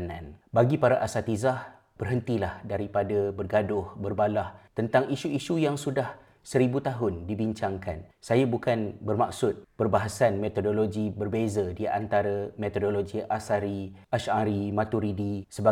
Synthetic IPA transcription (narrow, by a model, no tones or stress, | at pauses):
nãnbaɡipaɾaʔasat̪izah | b̥ərɦənt̪ilahdaɾipadabərɡadʊhbərbalaht̪ənt̪aŋiʃuiʃujaŋsudah | səɾibut̪aɦʊndibiɲt͡ʃaŋka̰nsajabukanbərmak̚sʊt̪̚pərbaɦasanmet̪odoloɡibərbezadia̰nt̪aɾamẽt̪odoloɡiʔasaɾiaʃaɾimat̪uɾidisəba